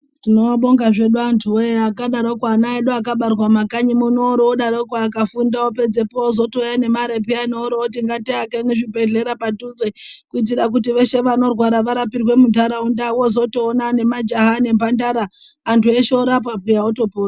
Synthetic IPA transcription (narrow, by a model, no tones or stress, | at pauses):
tinoɓo̞ŋɡaʐe̞ɗuantʰuojeakaɗaɾokwanaeɗuakaɓarwamakaɲimunooɾoːɗaɾokwaːkafundaope̞d͡zepoozo̞tojane̞maɾepianooɾootiŋɡatiakeneʐibʱe̞ɮe̞ɾapatud͡zekuit̬iɾak̬utiʋe̞ʃe̞ʋano̞rwaɾaʋaɾapirwe̞mudʱaɾaundawozo̞toːnane̞mad͡ʒaɦane̞mbandaɾaː | ntʰue̞ʃeoɾap̬apijaotopoːa